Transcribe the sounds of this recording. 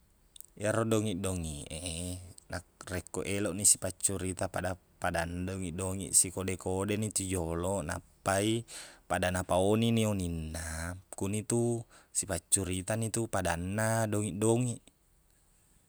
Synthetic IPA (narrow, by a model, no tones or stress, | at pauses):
jaɾɔdɔŋiʔdɔŋiʔenakrɛkːoʔelɔʔnisi̥pat͡ʃːuɾit̪apada | padanːadoŋiʔdoŋḭʔsikodɛkodɛnit̪ud͡ʒolɔna̰pːaipadanapaoninioninːakunit̪usipat͡ʃːuɾit̪anit̪upadanːadɔŋiʔdɔŋiʔ